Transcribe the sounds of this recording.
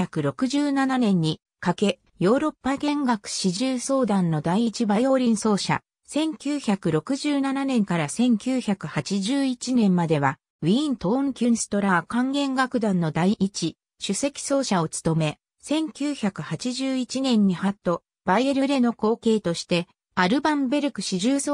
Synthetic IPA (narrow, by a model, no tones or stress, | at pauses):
akɯ̟ɾo̞kɯ̟ʑɨːnananẽ̞ɲ̟ːi | kake̞ | jo̞ːɾo̞pːaɡẽ̞ŋɡakɯ̟̥ɕiʑɨːso̞ːd̪ãnːo̞d̪aiit͡ɕibajo̞ːɾʲĩɰ̃so̞ːɕa̰ | sẽ̞ŋkʲɨːçakɯ̟ɾo̞kɯ̟ʑɨːnananẽ̞ŋkaɾasẽ̞ŋkʲɨːçakɯ̟hat͡ɕiʑɨːit͡ɕinẽ̞mmad̪e̞βa | ĩːnt̪õŋkʲɨnsɨ̥t̪o̞ɾakãŋɡẽ̞ŋɡakɯ̟d̪ãnːo̞d̪aiʔit͡ɕi | ɕɨse̞kʲi̥so̞ːɕao̞t͡sɨ̥t̪o̞me̞ | sẽ̞ŋkʲɨːçakɯ̟hat͡ɕiʑɨːit͡ɕinẽ̞ɲ̟ːihat̪ːo̞ | b̥aieɾɯ̟ɾe̞no̞ko̞ːke̞ːt̪o̞ɕi̥t̪e̞ | aɾɯ̟bãmbe̞ɾɯ̟kɯ̟ɕiʑɨː